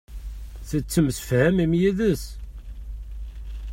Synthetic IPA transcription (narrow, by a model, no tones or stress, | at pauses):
θət͡sːəmsə̥fhæmimjiðəs